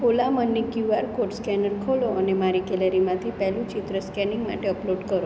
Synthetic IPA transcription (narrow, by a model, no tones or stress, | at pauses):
olamənːikjuaɾkoʈskɛnəɾkʰoloənemaɾikɛləɾimãt̪ʰipɛɦlũt͡ʃit̪ɾəskɛnɪŋɡma̰ʈeəploɖkəɾo